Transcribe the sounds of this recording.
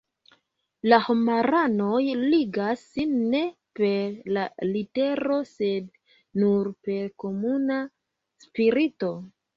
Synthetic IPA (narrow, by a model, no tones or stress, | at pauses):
lahomaɾano̞jliɡasːinːe̞ | pe̞ɾlalite̞ɾo̞se̞d | nuɾpe̞ɾko̞muna | spiɾito̞